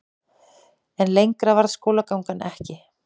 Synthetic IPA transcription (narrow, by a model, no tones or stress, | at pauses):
ɛnlejŋkɾavaɾðskoːwlakawŋkanɛhcɪ